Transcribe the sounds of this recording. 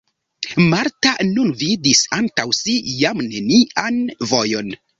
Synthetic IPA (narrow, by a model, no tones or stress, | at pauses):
maɾtanunvidisantawsijamne̞niʔanvo̞jo̞n